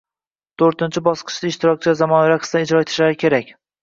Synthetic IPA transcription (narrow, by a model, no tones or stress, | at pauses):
t̪ʰoɾt̪ɪnt͡ʃʰɪbɒsqʰɨ̥ʃd̪aɪʃt̪ʰɪɾɒk̚ʲt͡ʃʰɪzamɒnaɾaqʰɨ̥st̪aɪd͡ʒɾɒet̪ʰɪʃlaɾɪkʲʰe̞ɾakʲ